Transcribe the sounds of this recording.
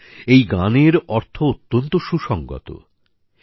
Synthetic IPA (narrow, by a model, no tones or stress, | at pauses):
ejɡaneɾɔɾt̪ʰoot̪ːont̪oʃuʃɔŋɡɔ̰t̪o̰